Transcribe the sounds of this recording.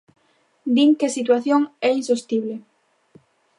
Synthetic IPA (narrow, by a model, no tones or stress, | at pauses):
d̪iŋkesit̪̬waθjoŋɛinsost̪iβ̞le